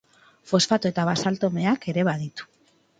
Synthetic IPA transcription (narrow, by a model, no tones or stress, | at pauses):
fo̞sfat̪oe̞t̪aβasalt̪o̞me̞ake̞ɾe̞βaðit̪u̥